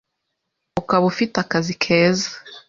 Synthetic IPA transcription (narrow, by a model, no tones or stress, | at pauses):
ukaβufitakazikʰeːzḁ